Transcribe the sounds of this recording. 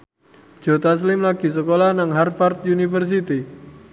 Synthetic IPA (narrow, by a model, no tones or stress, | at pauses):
d̥d͡ʒ̥o̤t̪as̬lɪmlaɡ̥i̤s̬əkolanaŋɦarfart̪̚junifərs̬it̪i